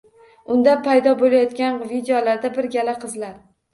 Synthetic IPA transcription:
ʊnd̪apʰajd̪ɒbolajɒt̪kʲanvid̪ejɒlaɾd̪abɪɾɡʲalaqʰɨzlaɾ

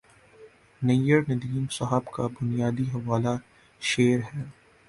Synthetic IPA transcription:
nɐjəɾnɐd̪iːmsɐɦəbkabʊnijaːd̪iɦɐʋaːla | ʃeːɾɦɛː

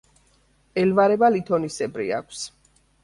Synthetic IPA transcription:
ɛlvaɾɛbalit̪ʰɔnisɛbɾḭa̰kʷʰs

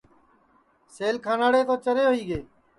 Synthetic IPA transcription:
seːlkʰaːnaːɽeːt̪oːt͡ʃəɾeːɦoiːɡeː

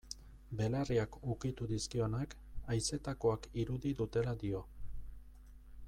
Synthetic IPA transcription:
be̞lariakukit̪uðiskio̞nak | ajse̞t̪ako̞akiɾuðiðut̪e̞lad̪io̞

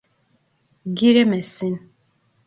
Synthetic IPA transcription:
ɡiɾemɛsin

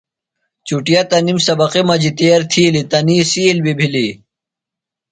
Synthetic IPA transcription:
t͡ɕuʈijat̪ɐnimsɐbɐqimɐd͡ʑit̪eɐɾt̪ʰilit̪ɐniːsiːlbibʱili

